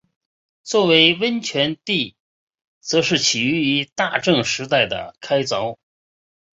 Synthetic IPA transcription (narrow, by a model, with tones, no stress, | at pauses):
t͡swɔ˥˩we˧˥ɪwə˥nt͡ɕʰɥɛ˧˥nt̪i˥˩ | t͡sɤ˧˥ʂɻ̩˥˩t͡ɕʰi˨˩y˧˥y˧˥t̪a˥˧ʈ͡ʂɤ˥˩ŋʂɻ̩˧˥t̪̬a˥˩ɪd̪ə̰˩kʰa˥ɪt͡sɑ˧˥ʊ